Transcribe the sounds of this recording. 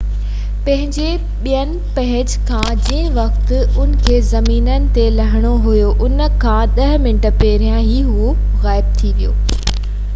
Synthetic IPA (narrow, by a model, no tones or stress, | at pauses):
pɐ̃ɦɪ̃ɲd͡ʑe | ɓijənɪ̆pɐɦɪd͡ʑkʰãd͡ʑɪ̃ɦɪ̃ʋɐxt̪ɪʊnɪ̆kʰeːzɐmiːnənɪ̆t̪elɐɦɪɽ̃oɦʊjoʔʊnə̆kʰãːɗ̪ɐɦmɪ̃nʈəpeːɾjãɦiːɦu | ɣaːɪb̚t̪ʰiʋijo̰ː